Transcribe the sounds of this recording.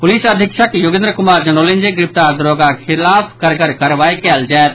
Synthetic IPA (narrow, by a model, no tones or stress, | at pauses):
pʊliːsəd̪ʱɪkʃəkjʊɡɪ̃nd̪ɾəkʊmaːɾd͡ʒɐnoːlɪ̃nd͡ʒeɡɾɪpt̪aːɾd̪ɾoːɡakʰɪlaːpʰkɐɾɡəɾkɐɾʋaːekɛld͡ʒaːt̪̚